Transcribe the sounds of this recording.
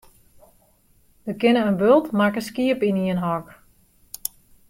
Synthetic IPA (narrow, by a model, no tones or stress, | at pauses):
ʋəkɪnəənbølˠtmakəskiəpiniənɦɔk